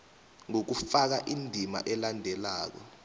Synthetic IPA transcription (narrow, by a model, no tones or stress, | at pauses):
ŋok̬ufak̬aʔindʱima̰ʔɛlandʱɛlaːk̬ɔ̰